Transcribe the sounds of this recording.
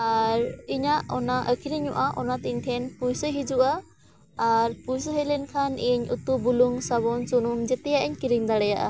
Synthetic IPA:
aɾiɲaʔɔnaʔəkʰiɾiɲɔʔaʔɔnat̪iɲt̪ʰɛnpujsəɦid͡ʒuʔaː | ɾpujsəɦɛlɛnkʰaniɲṵt̪ubuluŋsaβɔnt͡ʃunumd͡ʒɛt̪ɛjaʔɛɲkiɾiŋd̪aɽɛjaʔa̰

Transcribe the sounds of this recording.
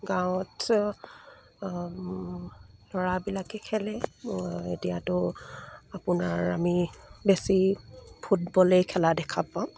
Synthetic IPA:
ɡãwɔt | lɔɹabilakɛkʰɛlɛ | ḛtijatʊ | apʊnaɹamibesipʰutbɔlejkʰɛladɛkʰapːã

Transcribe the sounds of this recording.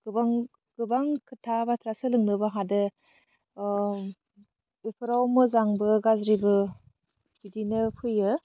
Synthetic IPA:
ɡ̥ɯbaŋ | ɡ̥ɯbaŋkʰɯtʰabatʰɾasɯlɯŋnɯbaɦadɯ | bepʰɯɾawmɯzaŋbɯɡazɾibɯ | bidinɯpʰɯjɯ

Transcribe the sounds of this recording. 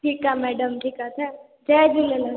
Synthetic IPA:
ʈʰiːkamɛːɖəmʈʰiːkat̪ʰɛ | d͡ʒɛd͡ʒilelə

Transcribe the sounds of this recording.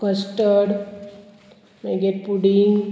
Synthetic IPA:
kəsʈəɖ | maɡeʈ̚puɽiŋɡ

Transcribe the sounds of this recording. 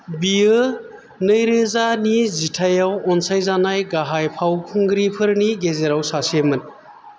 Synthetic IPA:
biɯ | nɯjɾɯzanizitʰajawɔnsajzanajɡaɦajpʰawkʰɯŋɡɾipʰɯɾniɡezeɾawsasiemɯn

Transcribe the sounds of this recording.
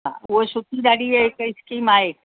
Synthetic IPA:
ã̰ʊɦesʊt̪id̪aːɽieɦɪkɪskiːmaːɦeː

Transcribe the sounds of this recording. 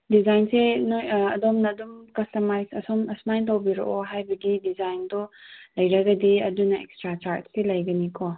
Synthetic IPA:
dizajnsenjɐdɔmnɐdumkɐstɐmajsɐsɔmɐsnajntawbiɾo̰ʔɔɦajbɐɡidizajndɔlɐjɾɐɡɐdiɐdunɐekstɾat͡ʃaɾdselɐjɡɐnikʰɔ

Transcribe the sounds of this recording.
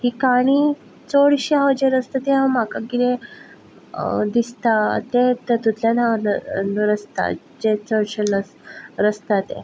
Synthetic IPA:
hikaɽ̃i | t͡soɽɕiad͡ʑeɾəst̪at̪eãmakaɡiɾe | d̪ist̪at̪et̪ət̪ut̪ljanannɾəst̪a̰ | d͡ʑet͡soɽɕenəsɾəst̪at̪ḛ

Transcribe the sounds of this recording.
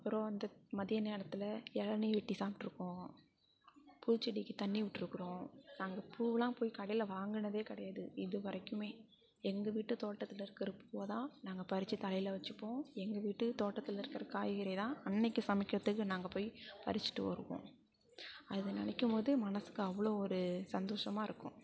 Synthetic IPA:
ɐpːɯɾõːɐnd̪ɐmɐðɪjɐneːɽɐt̪ːɪlɐɛɻɐniʋɛʈːisaːp̚ʈːɯɾɯkːõː | puːt͡ʃːɪɽɪkːɯt̪ɐnːiʋɪʈːɯɾɯkːɯɾõːnaːŋɡɐpʰuːʋlãːpoːjkɐɽɐjlɐʋaːŋɡɯɳɐðeːkɐɽɐjaːðɯɪðɯʋɐɾɐkːɯmeː | ɛŋɡɐʋiːʈːɯt̪oːʈːɐt̪ːɯlɪɾɯkːɪɾɐpuːʋɐðãːnaːŋɡɐpɐɾɪt͡ʃːɯt̪ɐlɐɪjlɐʋɐt͡ʃːɯpːõːɛŋɡɐʋiːʈːɯt̪oːʈːɐt̪ːɯlɪɾɯkːɐɾɐkaːjɣɪɾɐt̪ãːɐnːɛɪkːɯsɐmɪkːɪɾɐt̪ːɯkːɯnaːŋɡɐpoːjpɐ̰ɾɪt͡ʃːɪ̥ʈːɯʋɐ̰ɾɯʋõ̰ː | ɐðɯnɪnɐkːɯmpoːðɯmɐnɐsɯ̥kːɯɐʋːɐɭoːɔɾɯsɐnd̪oːʂɐmaːɪɾɯkːʊ̰̃

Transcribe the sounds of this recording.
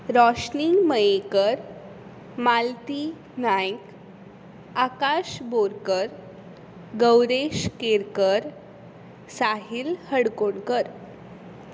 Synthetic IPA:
ɾɔɕniŋɡməjekəɾ | malt̪i | najk | akaɕboɾkəɾ | ɡəwɾeɕkeɾkəɾ | saɦilhəɽkoɳkəɾ

